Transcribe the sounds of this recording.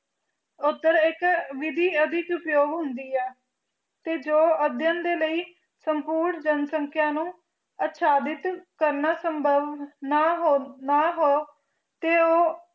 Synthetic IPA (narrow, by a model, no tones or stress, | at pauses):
ʊt̪ːəɾɪkʋɪd̪ʱiːəd̪ʱɪkʊpjoːɡɦʊnd̪iːɛː | t̪eːd͡ʒoːəd̪jənd̪eːləiː | səmpuːɾɳd͡ʒənsəŋkʰjãːnũː | ət̪ʃaːd̪ɪt̪kəɾnaːsəmbʱəʋnaːɦoːnaːɦoː | t̪eːoː